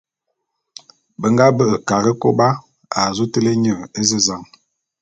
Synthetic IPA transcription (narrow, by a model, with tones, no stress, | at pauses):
bə˨ŋɡa˦bə˦ʔə˨ka˨ɾə˦ko˦ba˦ | a˨zu˦tə˦le˦ɲə˦˨e˦zə˦za˦˨ŋ